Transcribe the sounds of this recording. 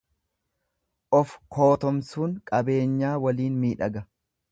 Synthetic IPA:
ʔɔfkʰo̞ːt̪ɔmsuːŋkʼɐbe̞ːɲːaːwɐliːnmiːᶑɐɡɐ

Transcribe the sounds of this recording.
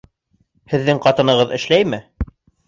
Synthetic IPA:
hɘ̆ðːɘŋqɑt̪ɤ̆nɤ̆ʁɤðɘ̆ʃlæjmɘ

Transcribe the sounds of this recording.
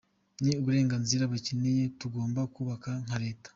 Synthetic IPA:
niuβuɾe̞ːŋɡanziɾaβacineje̞tuɡo̞ːmbakuːβakaŋ̥haɾe̞ːtḁ

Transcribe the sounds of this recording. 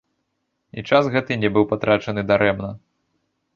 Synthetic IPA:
ḭt͡ʂasɣɛt̪ɨnʲɛbɨwpat̪ɾat͡ʂɐnɨd̪aɾɛmnɐ

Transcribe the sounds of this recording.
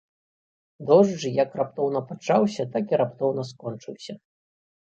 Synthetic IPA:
d̪ɔʐd͡ʐɨjɐkrap̚t̪ɔwnɐpat͡ʂawsʲɐt̪akiɾapt̪ɔwnɐs̬kɔnt͡ʂɨwsʲɐ

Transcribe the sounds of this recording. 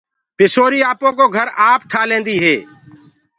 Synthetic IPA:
pɪsoːɾiːaːpõːkoːɡʱəɾaːpʈʰaːlẽːnd̪iːɦeː

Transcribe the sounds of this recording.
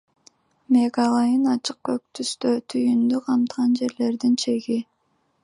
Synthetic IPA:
me̞ɡɑlˠɑjɯnɑt͡ʃɯq̚køk̚t̪ʰyst̪øt̪ʰyjynd̪yqʰɑmt̪qɑnd͡ʒe̞ɾle̞ɾd̪int͡ʃʰe̞ɡi

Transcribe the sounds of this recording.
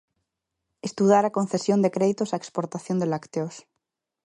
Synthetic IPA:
est̪uðaɾakonθesjond̪ekɾeðit̪osaekspoɾt̪aθjond̪elakt̪eos

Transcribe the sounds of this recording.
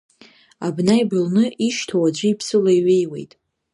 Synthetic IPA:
abnajbɨlnɨʔiʃtʰowad͡ʒʷɪipʰsɨlajɥejwe̞̰jtʼ

